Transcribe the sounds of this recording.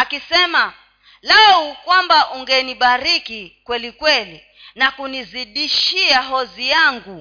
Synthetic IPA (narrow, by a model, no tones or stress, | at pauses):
akisɛma | laukwambaʔuŋɡɛniɓaɾikikwɛlikwɛli | nakuniziɗiʃiaɦɔzijaŋɡu